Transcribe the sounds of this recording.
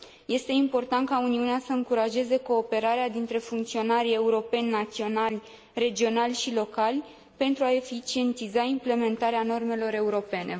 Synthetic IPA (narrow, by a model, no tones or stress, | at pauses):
je̞st̪e̞impo̞rt̪ant̪̚kauniuneasəɨŋkuɾaʒe̞ze̞ko̞ːpe̞ɾaɾead̪int̪ɾe̞fuŋkt̪sio̞naɾʲe̞uɾo̞pe̞nʲːat̪sio̞nalʲ | re̞d͡ʒio̞nalʲʃilo̞kalʲ | pe̞nt̪ɾuae̞fit͡ʃie̞nt̪izaimple̞me̞nt̪aɾeano̞rme̞lo̞ɾe̞uɾo̞pe̞nʔe̞